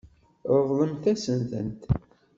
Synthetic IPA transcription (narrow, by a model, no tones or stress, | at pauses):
əvðˤəmθæsənθə̰nt̪